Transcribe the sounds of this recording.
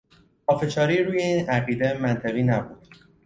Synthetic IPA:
pʰɒːfe̞ʃɒːɾiːɾuːjeiːnæɣiːd̪emænt̪ʰæɣiːnæbuːd̪̥

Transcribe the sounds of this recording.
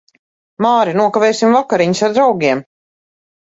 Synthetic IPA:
maːɾinuɔkavɛːsimvakaɾiɲisaɾd̪ɾawɡʲiɛm

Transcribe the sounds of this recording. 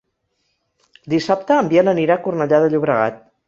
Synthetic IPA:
d̪isap̚t̪əːmbienəniɾakurnəʎaðəʎuβɾəɣa̰t̪̚

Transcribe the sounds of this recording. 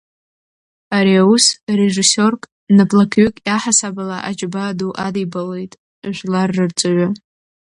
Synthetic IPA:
aɾiausre̞ʐiso̞rkʼ | napʼlakʰʏkʼjaħasabalaʔad͡ʒbaːduʔadijbale̞jtʼ | ʒʷlarːɨrt͡sʼɨɥʷa

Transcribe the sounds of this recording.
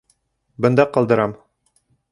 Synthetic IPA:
bɤ̆nd̪ɑqɑlˠd̪ɤ̆ɾɑm

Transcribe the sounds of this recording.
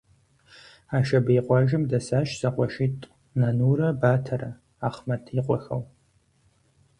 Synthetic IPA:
aːʃɐbɐjqʷɑʒɪmdɐsaːʃz̥ɐqʷʼɔʃitʼ | nɐnuːrɐbaːtʰɐrɐ | aːχmɐtʰiːqʷʼɔxɐ̰w

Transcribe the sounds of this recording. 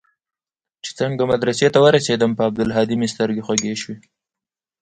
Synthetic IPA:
t͡ʃe̥t͡səŋɡamad̪ɾaset̪awəɾased̪əmpəab̚d̪ʊlɦɑd̪imist̪əɾɡexwaɡeʃwe

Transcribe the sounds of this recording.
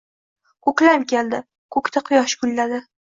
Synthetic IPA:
kʰɵkʲlamkʲʰeld̪ɪ | kʰɵkʲt̪ʰaqʰʊjɒʃɡʊlːad̪ɪ

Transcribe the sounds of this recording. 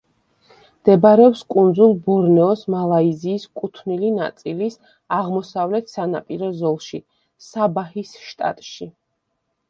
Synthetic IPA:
md̪̥ɛbɾɛɔpskʼund̪zulˠbɔɾnɛɔsmalˠaiziːskʼut̪ʰvnilina̰t̪sʼilis | aʁmɔsavlɛt̪ʰsanapʼiɾɔzɔlˠʃi | sabahisʃt̪ʼa̰t̪ʼʃi

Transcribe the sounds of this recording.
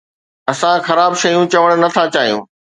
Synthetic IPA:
ɐsãxɐɾaːbʃɐjũt͡ɕɐʋəɽ̃nɐt̪ʰat͡ɕaːɦijṵ̃ː

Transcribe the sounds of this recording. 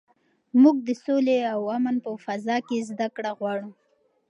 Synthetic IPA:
muɡ̚d̪əsoleawamənpəfazɑkezd̪akɽaɣwɑɽu

